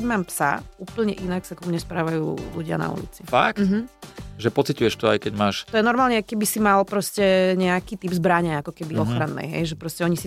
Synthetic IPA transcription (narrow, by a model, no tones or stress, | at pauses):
ɟmaːmpsa̰uːpl̩ɲɛʔinaksakɔmuɲɛspɾaːʋajṵːluɟɪa̰na̰ṵlḭt͡sifa̰kt̩̪ɦ̩ʒɛpɔt͡sicujɛʃt̪ɔa̰jkɛɟmaːʃt̪ɔjɛnɔɾmaːlɲɛajkɛbisimalpɾɔscɛɲɛakiːt̪ibzbɾaɲɛakɔkɛbiɔxɾanːɛ̰jɦɛ̰jʒɛpɾɔscɛɔɲisi